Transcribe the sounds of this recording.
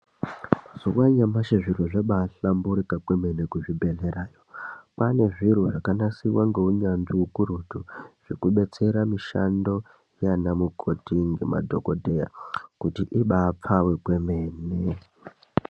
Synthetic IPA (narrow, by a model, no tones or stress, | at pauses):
zuwaɲamaʃaʐiruʐaɓaɬambuɾikakweme̞nekuʐibʱe̞ɮeɾaːjopane̞ʐiruʐakanasiwaŋɡe̞uɲanʐiukuɾutuʐ̥ikuɓe̞t͡se̞ɾamiʃa̰ndo̞ | janamukʰo̞tiŋɡema̰dʱo̞̰kodʱeja̰kutiʔiɓaːp͡fawe̞kwe̞meːne